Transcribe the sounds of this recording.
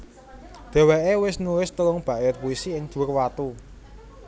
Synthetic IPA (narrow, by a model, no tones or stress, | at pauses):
d̪̥e̤weʔewɪsnulɪst̪əlʊŋb̥ä̤ʔjət̪̚puisiɪŋd̪̥urwat̪u